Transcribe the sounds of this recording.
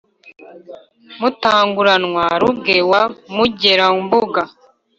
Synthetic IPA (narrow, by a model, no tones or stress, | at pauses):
mutaːŋɡuɾanŋwaɾuɡewamuɟe̞ɾambuɡa